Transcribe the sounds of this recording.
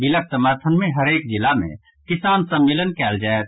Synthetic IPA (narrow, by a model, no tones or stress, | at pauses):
bɪlək̚t̪əməɾt̪ʰənmẽɦəɾeːk̚d͡ʒɪlamḛ̃ | kɪsaːnsə̃mːeːlənkɛːld͡ʒaːet̪